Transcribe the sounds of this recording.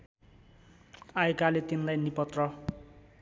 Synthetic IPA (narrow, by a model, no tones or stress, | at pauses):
ajkalet̪inlajnipʌt̪rʌ